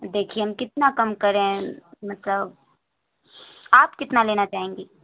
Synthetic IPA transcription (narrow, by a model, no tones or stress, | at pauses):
d̪eːkʰieɦɐmkɪt̪nakɐmkɐɾẽmɐt̪ləb | aːpkɪt̪naleːnat͡ʃaːɦẽːŋɡeː